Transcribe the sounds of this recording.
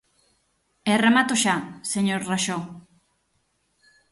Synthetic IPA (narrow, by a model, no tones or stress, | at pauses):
eremat̪oʃaseɲoɾraʃo